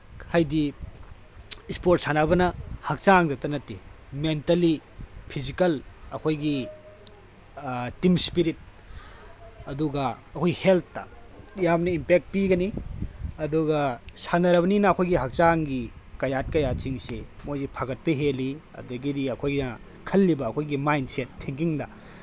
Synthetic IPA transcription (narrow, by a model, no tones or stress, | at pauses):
hajdi | spot̚sanabɐnɐhɐk̚t͡ʃaŋdɐtɐnɐtimentɐlipʰizikɐlɐkʰojɡi | timspiɾit̚ | ɐduɡɐː | kʰojɡihelt̪ʰːɐ̰jamnɐimpek̚t̚piɡɐniɐduɡɐsanɐɾɐβɐninɐːkʰojɡiɦɐk̚t͡ʃaŋɡikɐjat̚kɐjat͡ʃiŋsemojzipʰaɡɐt̚pɐɦeliɐ̰duɡidiɐkʰojɡinɐ | kʰɐlːibɐːkʰojɡimajnsetʰːiŋk̬iŋdɐ